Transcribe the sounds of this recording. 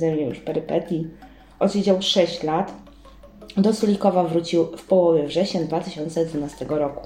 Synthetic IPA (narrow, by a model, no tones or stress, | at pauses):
zɛmɲɛjṵʂpɛɾɘpɛt̪ʲji | ʔɔd̪ɕed͡ʑawʂɛɕt͡ɕlat̪ | d̪ɔsulʲikɔvavɾut͡ɕiwfpɔwɔvʲjɛvʐɛɕɲɛnd̪vat̪ɘɕɔnt̪sɛd̪vunast̪ɛɡɔɾɔku̥